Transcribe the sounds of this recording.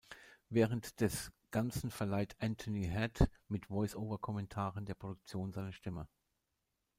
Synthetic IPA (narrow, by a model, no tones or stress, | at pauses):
vɛːʁəntd̥ɛsɡ̥ant͡sn̩fɛɐlaɪtʰʔɛntʰoniɦɛtmɪtv̥ɔʏsoːvɐkʰɔmɛntʰaːʁəndeːɐpʁ̥odʊk̚t͡sjoːnzaɪnəʃtɪmə